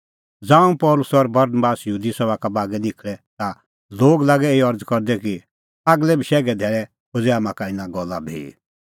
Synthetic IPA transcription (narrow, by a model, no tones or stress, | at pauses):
d͡zãːũpɔlʊsɔɾbɐɾnəbaːsjɦuːd̪isɔbakabaːɡɛnɪkʰɭɛt̪a | loːɡlaːɡɛeiɔɾd͡zkɔɾd̪ɛki | aːɡlɛbʱiʃɛːɡɛd̪ʱɛːɭɛ | od͡zɛaːmãkaɪnãɡɔlːabʱḭ